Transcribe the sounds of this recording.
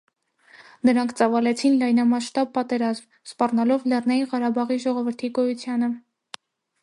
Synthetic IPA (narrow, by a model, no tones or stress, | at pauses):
nəɾɑŋkʰt͡sɑvɑlɛt͡sʰinlɑjnɑmɑʃt̪ɑb̚ːɑt̪ɛɾɑzm | spɑrnɑlɔvlɛrnɑjiʁɑɾɑbɑʁiʒɔʁɔvəɾt̪ʰiɡɔjut͡sʰjɑnə